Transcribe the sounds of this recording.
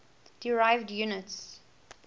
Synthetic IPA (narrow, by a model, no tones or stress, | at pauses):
d̥ɪɹaɪvdjunəts